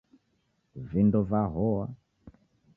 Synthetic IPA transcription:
vindɔvaɦɔa

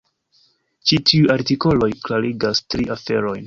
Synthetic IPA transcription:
t͡ʃitʰiujaɾtiko̞lo̞jklaɾiɡastɾiʔafe̞ɾo̞jn

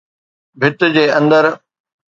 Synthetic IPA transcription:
bʱɪt̪d͡ʑeːɐ̃nd̪əɾ

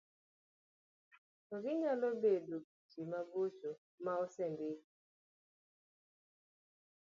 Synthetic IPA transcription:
tɔkɪɲalɔbedod͡ʒimabot͡ʃo | maɔsɛmbɪ

